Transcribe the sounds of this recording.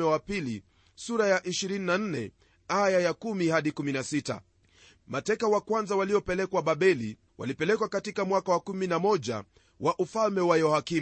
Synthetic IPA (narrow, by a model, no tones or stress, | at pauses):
ɛwapili | suɾajaʔiʃiɾininan̩nɛ | ajajakumihaɗikuminasita̰ | matɛkawakwanzawaliɔpɛlɛkwaɓaɓɛli | wʔa̰lipɛlɛkwakatikamwakawakuminamɔʄa̰ | wʔaʔufalmɛwajɔhaki